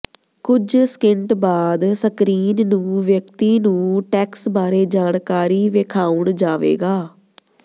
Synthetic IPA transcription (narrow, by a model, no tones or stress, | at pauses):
kʊd͡ʒskɪɳʈbaːd̪səkɾiːnnũːʋjəkt̪iːnũːʈɛːksbaːɾeːd͡ʒaːɳkaːɾiːʋekʰaːʊɳd͡ʒaːʋḛːɡaː